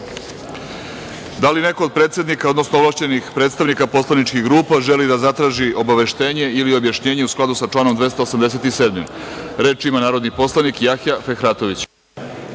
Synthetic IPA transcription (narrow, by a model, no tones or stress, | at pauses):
d̪aline̞ko̞od̪̚pɾet̪sed̪nikao̞d̪nosnoʋlˠaʃt͡ɕe̞nixpɾet̪st̪aʋnikapo̞slanit͡ʃkiɣɡɾuːpaʒe̞lid̪azat̪ɾaːʒiʔo̞baʋe̞ʃt̪e̞ːɲe̞ilio̞bjaʃɲe̞ːɲe̞usklˠad̪usat͡ʂlaːno̞md̪ʋe̞st̪oosamd̪e̞se̞t̪ise̞ːd̪mimɾe̞ːt͡ʃimanaːɾod̪nipo̞slˠanikjaxjafexɾaːt̪o̞ʋit͡ɕ